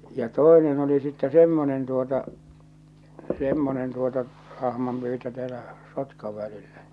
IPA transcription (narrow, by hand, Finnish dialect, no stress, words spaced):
jɑ toˑenen oli sitːɛ semːonen tuotɑ semːonen tuotɑ ɑhmɑmpyːtø tæːlæ sotkɑʋ ʋælilːæ